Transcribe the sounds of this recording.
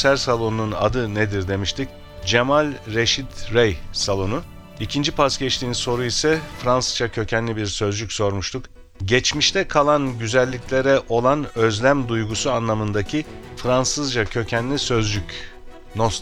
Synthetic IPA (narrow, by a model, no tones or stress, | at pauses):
sæɾsalˠo̞nununa̰d̪ɯned̪iɾd̪e̞miʃt̪ʰic | d͡ʒemalʲɾe̞ʃit̪ɾejsalˠo̞nu | icʰind͡ʒipʰasɟɛt͡ʃt̪ʰiːnso̞ɾuisɛfɾansɯzd͡ʒacʰø̞cʰænlʲibiɾsø̞zd͡ʒycʲso̞ɾmuʃt̪ʰuk | ɟɛt͡ʃmiʃt̪ʰɛkʰalˠanɟyzælʲːicʰlʲe̞ɾɛʔo̞lˠanø̞zlʲæmd̪ujɡusuanlˠamɯnd̪acʰifɾansɯzd͡ʒacʰø̞cʰænlʲisø̞zd͡ʒyc | nos